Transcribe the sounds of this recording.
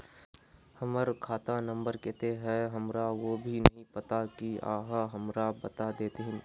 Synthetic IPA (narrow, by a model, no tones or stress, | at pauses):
hɐməɾkʰaːt̪anɐ̃mbəɾkɛt̪eɦɛɦɐmɾaʋobʱinɐɦĩpɐt̪akia̰ːɦaɦɐmɾabɐt̪ad̪eːt̪eɦɪ̃n